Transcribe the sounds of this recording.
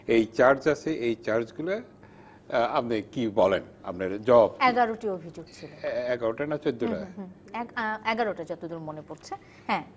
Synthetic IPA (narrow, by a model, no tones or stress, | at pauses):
ejt͡ɕaɾd͡ʑat͡ɕʰeʔejt͡ɕaɾd͡ʑɡule | apnekibɔlen | a̰pneɾd͡ʑɔbɛɡaɾoʈiobʱid͡ʑoɡ̚t͡ɕʰilloɛɡaɾoʈanat͡ɕod̪ːoʈa | ɛɛɡaɾoʈad͡ʑɔt̪od̪uɾmonepoɾt͡ɕʰe | hɛ̃